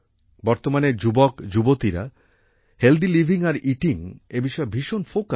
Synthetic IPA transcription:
bɔɾt̪omaned͡ʑubɔkd͡ʑubot̪iɾa̰ | held̪ilibʱiŋaɾiʈiŋebiʃɔebʱiʃonfoka

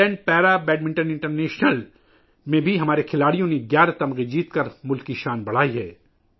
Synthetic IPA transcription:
ɛ̃ːɳɖ̚pɛːɾabɛːɖmɪ̃ɳʈənɪ̃ɳʈəɾneːʃnəl | mẽbʱiɦɐmaːɾekʰɪlaːɽijõnẽɡjaːɾat̪ɐmɣid͡ʒiːt̪kɐɾmʊlkiʃaːnbɐɽ̤aːiɦɛ̰ː

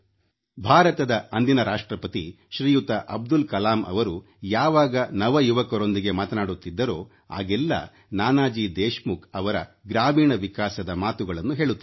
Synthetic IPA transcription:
bʱaːɾɐt̪ɐd̪ɐɐnd̪inɐɾaːʂʈɾɐpɐt̪i | ʃɾiːjut̪ɐʔɐb̚d̪ulkɐlaːmʔɐ̰ʋɐɾu | jaːʋaːɡɐnɐʋɐjuʋɐkɐɾo̞nd̪iɡe̞maːt̪ɐnaːɽut̪ːid̪ːɐɾo̞ː | a̰ːɡɛlːɐ̰ | naːnaːd͡ʒiːd̪eːʃmukɐʋɐɾɐ̰ɡɾaːmiːɳɐʋikaːsɐd̪ɐmaːt̪uɡɐɭɐnːuɦe̞ːɭut̪ːɐ

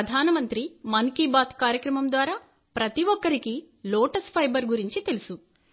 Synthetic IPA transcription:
ɐd̪ʱaːnɐmɐnt̪ɾimɐŋkibaːt̪kaːɾjɐkɾɐmɐmd̪ʋaːɾaː | pɾɐt̪iʋɔkːɐɾiki | loːʈɐspʰɐjbɐɾɡuɾiɲt͡ʃit̪e̞lusu

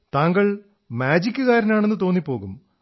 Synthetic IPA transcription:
t̪aːŋɡɐɭ | maːd͡ʑikʲːɨkaːɾɐnaːɳe̞nːɨt̪o̞ːnːipːo̞ːɣum

